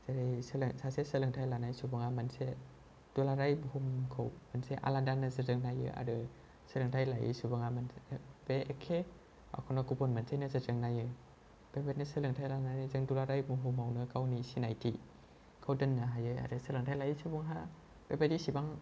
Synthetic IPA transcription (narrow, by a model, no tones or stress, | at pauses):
zaɾeslsasesəlɯŋtʰajlanajsubɯŋamanse | d̥ulaɾajbuhumkʰɯwmanseʔa̰landanɯzɯzɯŋnajɯ̰ʔa̰ɾɯ | səlɯŋtʰajlajɯ̰subɯŋamanbeekʰːe | a̰kʰɔnakubɔnmansʰejnɯzɯzɯŋnajɯ | b̥epet̚nɯsəlɯŋtʰajlanajnizɯŋdulaɾajbuɦumawnɯkawnisinajtʰi | kʰawdɯnːaɦajɯja̰ɾɯsəlɯŋtʰajlajɯsubɯŋɦa | b̥epedisibaŋ